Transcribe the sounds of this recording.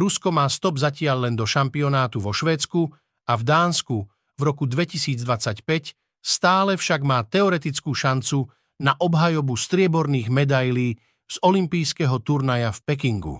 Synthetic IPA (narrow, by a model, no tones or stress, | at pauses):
ɾuskɔmaːst̪ɔbzacɪaʎlɛnd̪ɔʃampiɔnaːt̪uʋɔʃʋɛːt͡sku | avd̪aːnsku | vɾɔkud̪ʋɛcisiːd͡zd̪ʋat͡sacpɛc | st̪aːlɛfʃaɡmaːt̪ɛɔɾɛt̪it͡skuːʃant͡su | naʔɔbɦajɔbust̪ɾɪɛbɔɾniːɣmɛd̪ajliː | z̥ɔlimpijskɛɦɔt̪uɾnajafpɛk̬iŋɡṵ